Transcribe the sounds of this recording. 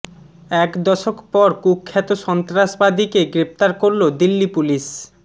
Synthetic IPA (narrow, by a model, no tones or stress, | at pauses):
ɛkd̪ɔʃokpɔɾkukʰːɛt̪oʃɔnt̪ɾaʃbad̪ikeɡɾept̪aɾkoɾlod̪ilːipuliʃ